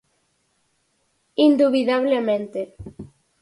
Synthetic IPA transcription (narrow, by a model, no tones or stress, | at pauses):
ind̪uβiðaβlemẽnt̪e